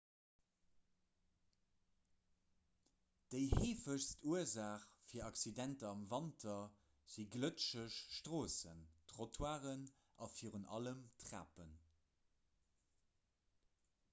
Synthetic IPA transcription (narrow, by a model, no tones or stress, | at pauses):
d̥əɪhiːfəɕstʰuəzaːχfiːɐɑksidæntɐɑmvɑntʰɐ | z̥iɡlətʃəʃʃtʁoːsə̰ntʁotʰwaːʁən | ʔɑfiːʁənʔɑ̰ləmtʁa̰ːpən